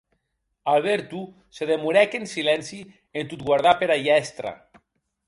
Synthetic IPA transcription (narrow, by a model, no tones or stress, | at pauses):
alˠβeɾt̪u | seðemuɾɛkensilɛnsi | ent̪ut̪̚ɡwaɾðapeɾajɛst̪ɾa̰